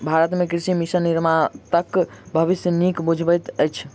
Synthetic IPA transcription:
bʱaɾət̪mekɾisimisəniɾmat̪əkbʱəʋisjənikbud͡ʒʱbəjt̪əjt͡ʃʰ

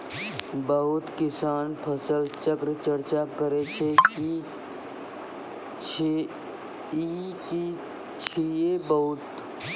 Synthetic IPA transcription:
bəɦʊt̪kɪsaːnpʰəsəlt͡ʃəkɾət͡ʃəɾt͡ʃakəɾet͡ʃʰeki | t͡ʃʰe | iki | t͡ʃʰiebəɦʊt̪

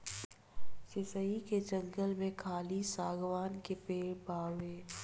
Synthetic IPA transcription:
sɪsəiked͡ʒə̃ŋɡəlmẽkʰaːlisaːɡʋaːnkepeːɽbaːʋeː

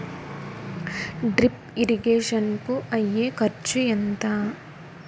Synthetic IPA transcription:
ɖɾip | iɾiɡeːʂɐnkuʔɐjːekɐɾt͡ʃujent̪a

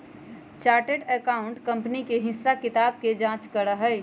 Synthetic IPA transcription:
t͡ʃaːɾʈeʈekaːʊɳʈkə̃mpnikeɦɪ̃sakɪt̪aːb̚ked͡ʒãt͡ʃkəɾəɦəɪ

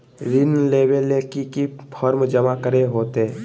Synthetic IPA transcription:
ɾɪnleːbelekikipʰɔːɾmd͡ʒəmakəɾeɦoːt̪e

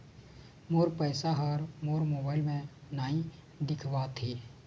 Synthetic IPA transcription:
moːɾpəɪsaɦəɾmoːɾmoːbaːɪlmẽnaːĩ | d̪ɪkʰʋat̪ʰiː

